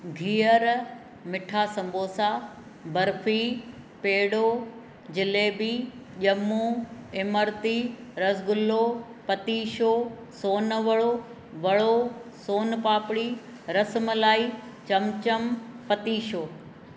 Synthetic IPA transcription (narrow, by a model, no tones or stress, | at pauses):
ɡʱiːəɾ | mɪʈʰasɐ̃mbʱoːsaː | bɐɾfʰiː | peːɽoː | d͡ʑɪleːbiːʄɐmuːɪməɾt̪iːɾɐsɡʊlːoːpɐt̪iːʃoː | soːnʋəɭo | ʋɐɭosoːnpaːpɽiː | ɾɐsməlaːit͡ɕɐmt͡ɕəmpɐt̪iːʃoː